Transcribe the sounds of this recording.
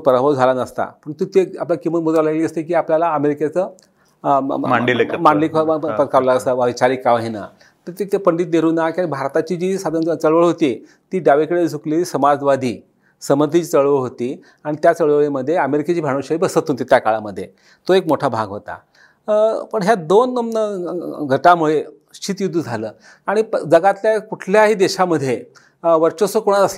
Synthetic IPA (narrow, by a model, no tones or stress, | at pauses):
pəɾəbəd͡zʱalanəst̪a̰pəɳt̪ut̪ea̰plakiməmud̪ɾalaɡliəst̪ekiːapljalaəmeɾiket͡səː | aɳɖilmaɖliːkpət̪kaʋlaəsəəit͡ɕaɾikaʋɦina̰ | t̪əɾt̪et̪epəɳɖit̪̚neɾuːnakaibʱaɾt̪at͡ɕiːd͡ʑiːsad̪ʱnt͡səɭʋəɭɦot̪i | t̪iːɖaʋekəɽed͡zʱuklesəmad͡zʋad̪ʱiː | səməd̪ʱit͡ɕit͡səɭʋəɭɦot̪iː | aɽ̃it̪jat͡səɭʋəɭiməd̪ʱːjeəmeɾiket͡ɕiːbʱaɽ̃oɕaibəsət̪ɦont̪it̪jakaɭaməd̪ʱːje | t̪oekmoʈʰabʱa̰ɡɦot̪a̰ | pəɳɦjad̪onːəmnəɡʱəʈamuɭe | ɕt͡ɕit̪jud̪ʱːud͡zʱaləː | aɽ̃id͡zəɡat̪ljakuʈʰljaɦiːd̪eɕaməd̪ʱːje | ʋəɾt͡ɕosokoɽ̃at̪əsla